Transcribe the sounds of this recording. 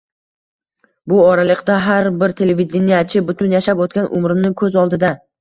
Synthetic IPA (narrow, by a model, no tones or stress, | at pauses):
bʊɒɾalɪqd̪aɦaɾbɪɾt̪ʰe̞levid̪ʲenijat͡ʃʰɪbʊt̪ʰʊnjaʃapot̪̚kʲanʔʊ̰mɾɪnɪkʰɵzɒlˠd̪ɪd̪a